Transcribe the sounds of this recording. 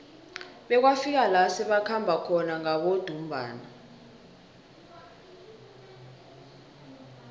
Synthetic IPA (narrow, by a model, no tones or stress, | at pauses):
ɓɛk̬wafik̬alasiɓakʰambʱakʰɔnaŋaɓod̥ʱum̩bʱa̰ːna